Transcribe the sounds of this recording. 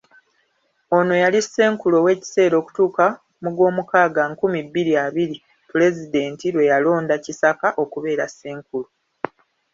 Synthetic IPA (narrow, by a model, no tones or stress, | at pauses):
o̞no̞jalisːe̞ːŋkulo̞we̞ːci̥se̞ːɾo̞ːku̥tuːka | muɡwo̞ːmukaːɡaŋkumibːiɾiaβiɾi | pule̞zide̞ːntiɾwe̞jalo̞ːndacisakaʔo̞kuβe̞ːɾasːeːŋkulo